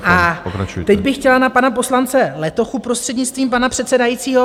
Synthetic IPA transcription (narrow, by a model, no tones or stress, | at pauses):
ʔapo̰kɾa̰t͡ʃṵjt̪ɛɟbɪxːcɛlanapanapo̞slant͡sɛlɛt̪o̞xupɾost̪r̥ɛdɲɪt͡st̪viːmpanapr̝̥ɛt̪sɛdajiːt͡siːɦo̞